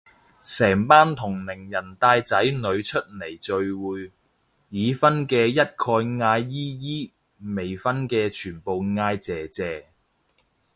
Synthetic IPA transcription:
sɛː˨˩ŋpaː˥nt̪ʰʊ˨˩ŋlɪ˨˩ŋjɐ˨˩nt̪aː˧jt͡sɐ˨˥jnɵ˨˧ɥt͡ʃʰɵ˥t̚le˨˩jt͡ʃɵ˨˧ɥwuː˨j | jiː˨˧fɐ˥nkɛː˧jɐ˥t̚kʰɔː˧jŋaː˧jːiː˥jiː˥ | me˨˩jfɐ˥nkɛː˧t͡ʃʰyː˨˩npo˨wŋaː˧jt͡sɛː˨t͡sɛː˨˩

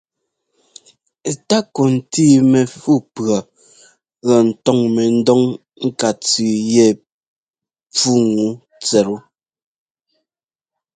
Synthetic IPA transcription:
ta˦kɔ˨n̩˨tiː˦˨mɛ˨fu˦pɰa˨ | ɣa˨n̩˨tɔ˦ŋmɛ˨n̩˦dɔ˦ŋ | ŋ̩˦ka˨t͡sʉ˨jɛ˦˨ | p͡fu˦ŋu˦ | t͡sɛ˨ɾu˦

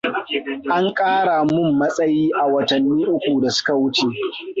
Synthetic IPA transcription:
ʔa˦ŋkʼaː˦ɽa˨mʊ˦˨mːɐ˦sʼɐ˦jiː˦ʔa˨wɐ˨tɐ˨nːiː˦ʔʊ˦kʷu˨da˨sʊ̥˦ka˨wʊ˦t͡ʃeː˨

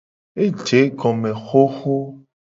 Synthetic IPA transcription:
e˦d͡ʒe˨˦ɡɔ˨mẽ˨xo˦xo˦

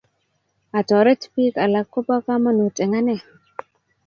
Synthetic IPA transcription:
a˨tɔ˨ɾe˦tpi˦ka˨la˨kːo˦pa˦ka˦ma˦nu˨tʼe˨ŋa˦ne˦˨

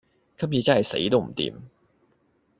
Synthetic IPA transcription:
kʰɐ˥p̚jiː˨˧t͡sɐ˥hɐ˨jsḛ˨˥jt̪o˥wm̩˨˩t̪ḭː˨˧m

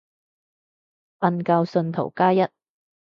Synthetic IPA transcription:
fɐ˧nkɐ˧wsɵ˧nt̪ʰo˨˩wkaː˥jɐ˥t̚

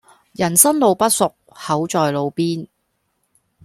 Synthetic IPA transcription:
jɐ˨˩nsɐ˥nlo˨˧wpɐ˥t̚sʊ˨k̚hɐ˨˥wt͡ʃɔː˨jlo˨˧wpiː˥n

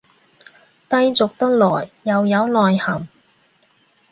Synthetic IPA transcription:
t̪ɐ˧jt͡sʊ˨k̚t̪ɐ˥k̚lɔː˨˩jːɐ˨wjɐ˨˧wlɔː˨jhɐ˨˩m

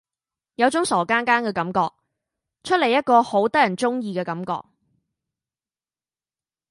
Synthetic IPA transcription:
jɐ˨˧wt͡ʃʊ˨˥ŋsɔː˨˩kaː˥nkaː˥nkɛː˧kɐ˨˥mkɔː˧k̚ | t͡ʃʰɵ˥t̚le˨˩jɐ˥t̚kɔː˧ho˨˥wt̪ɐ˥jɐ˨˩nt͡ʃʊ˥ŋjiː˧kɛː˧kɐ˨˥mkɔ̰ː˧k̚

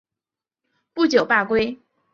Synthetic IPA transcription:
pu˥˩t͡ɕjo˨˩ʊpa˥˩kwe˥ɪ

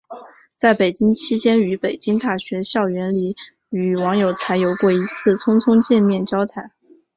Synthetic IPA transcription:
t͡sa˥˩ɪpe˨˩ɪt͡ɕi˥ŋt͡ɕʰi˥t͡ɕjɛ˥ny˧˥pe˨˩ɪt͡ɕi˥ŋt̪a˥˩ɕɥɛ˧˥ɕjɑ˥˩ʊɥɛ˧˥nli˨˩˦ | y˨˩wɑ˧˥ŋjo˨˩ʊt͡sʰa˧˥ɪjo˧˥ʊkwɔ˥˩i˧˥t͡sʰɹ̩˥˩t͡sʰʊ˥ŋt͡sʰʊ˥ŋt͡ɕjɛ˥˧nmjɛ˥˩nt͡ɕjɑ˥ʊt̪ʰa˧˥n

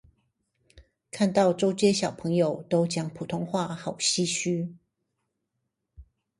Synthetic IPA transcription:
kʰa˥˧nt̪ɑ˥˨ʊʈ͡ʂo˥ʊt͡ɕjɛ˥ɕjɑ˨˩ʊpʰɤ˧˥˦ŋjo˨ʊt̪o˥ʊt͡ɕjɑ˥ŋpʰu˨˩t̪ʰo˥ŋxwa˥˩xɑ˨˩ʊɕi˥ɕy˥

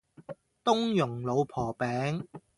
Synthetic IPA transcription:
t̪ʊ˥ŋjʊ˨˩ŋlo˨˧wpʰɔː˨˩pɛː˨˧˥ŋ

